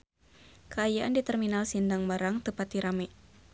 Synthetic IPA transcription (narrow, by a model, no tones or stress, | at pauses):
kəajaʔandit̪ərminalsindaŋbaɾaŋt̪əpat̪iɾamɛ